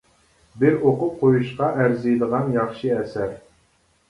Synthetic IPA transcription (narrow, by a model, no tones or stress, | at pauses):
bɪɾoqʊp̚qʰojuʃqɑʔæɾzɨjd̪əʁɑnjɑχʃɨɛsæɾ